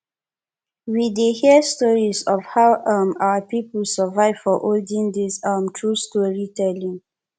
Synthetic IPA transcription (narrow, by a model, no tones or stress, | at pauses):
widehiəstɔɹisɔvhawʔʌma̰wəpiplsəvaɪv̥fɔʔoldĩŋd̪isʌmtʰɹustɔɹitɛlĩŋ